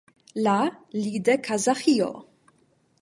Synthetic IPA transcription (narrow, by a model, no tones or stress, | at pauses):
laliːd̪ɛkʰɐzaxijo̰